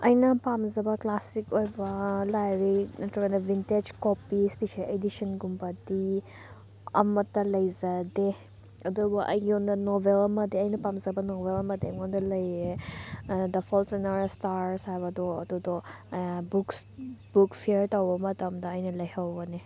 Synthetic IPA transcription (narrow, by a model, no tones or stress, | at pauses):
ɐjnɐpamzɐbɐklasikojbɐlajɾinɐtɔɡɐnɐbinted͡ʒkopispisaledisɔnɡumbɐdi | ɐ̰mɐtːɐlɐjzɐde | ɐduɡuʔɐ̰jɡiɔndɐnobelɐmɐdiɐjnɐpamzɐbɐnobelɐmɐdemɔndɐlɐje | dɐpʰɔlsenaɾstaɾsajβɐdɔɐ̰dudɔ | buk | b̥ukpʰiɾtɐwbɐmɐtɐmdɐɐjnɐlɐjhɐwbɐne